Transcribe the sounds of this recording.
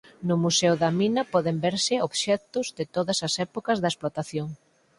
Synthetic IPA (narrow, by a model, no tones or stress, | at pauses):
nʊmusɛwðɐminɐpɔðembeɾsɪoβʃɛt̪ʊzðɪt̪oðɐsɐsɛpokɐzðɐesplot̪aθjoŋ